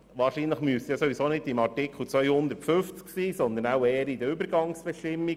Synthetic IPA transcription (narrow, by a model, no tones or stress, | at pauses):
ʋɑːɾʃiːnləχmyəsjɑsoʋisoːnɪdɪmɑɹtɪkl̩t͡sʋœʏhʊnd̪əɾtfʏft͡sksiːsɔnd̪ənawɛːəɾid̪əybəɾɡɑŋsb̥ɛʃtɪmːi